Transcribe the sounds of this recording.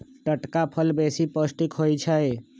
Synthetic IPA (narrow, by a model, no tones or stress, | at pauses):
ʈəʈkapʰəlbesipəsʈikɦojt͡ʃʰəj